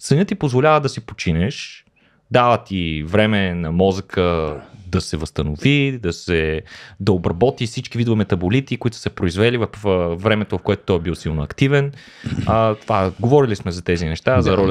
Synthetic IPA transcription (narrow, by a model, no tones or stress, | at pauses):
sɐnʲət̪ipozvolʲavəd̪ɐsipo̥t͡ʃinɛʃ | d̪avət̪ivɾɛmɛnɐmɔzəkʰəd̪ɐsɛvəst̪ɐnovid̪ɐsɛd̪ɐobɾɐbɔt̪ifsit͡ʃkivid̪ovəmɛt̪ɐbolit̪ikoit̪ʊ̥sɛpɾoizvɛlivɐfvɾɛmɛt̪ovɐfkoɛt̪ot̪ɔjɛbilˠsilˠnoɐkt̪ivɛn | ət̪vaɡovɔɾilismɛzɐt̪ɛzinɛʃt̪azɐɾɔl